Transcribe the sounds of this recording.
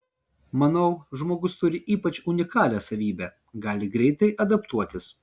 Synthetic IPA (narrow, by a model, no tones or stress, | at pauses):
mɐnɐʊʒmoːɡʊst̪ʊɾʲɪʔiːpɐt͡ʃʊnʲɪkɑːlʲɛːsɐʋʲiːbʲæ | ɡɑːlʲɪɡɾʲɛɪt̪ɐɪʔɐd̪ɐpt̪uɔt̪ʲɪs